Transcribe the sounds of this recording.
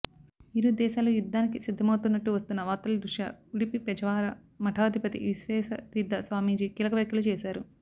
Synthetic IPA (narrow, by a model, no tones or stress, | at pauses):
iɾud̪ɛːʃaːlujud̪ʱːaːnikisid̪ʱːɐmɐwt̪unːɐʈːuʋɐst̪unːɐʋaːt̪ːɐlɐd̪ɾuʂa̰uɽipipɛd͡ʒɐʋaːɾɐ | mɐʈʰaːd̪ʱipɐt̪ḭʋisʋɛːsɐt̪id̪ʱːɐsʋaːmiːd͡ʒikiːlɐkɐʋjɐkjɐlut͡ʃɛːʃaːɾu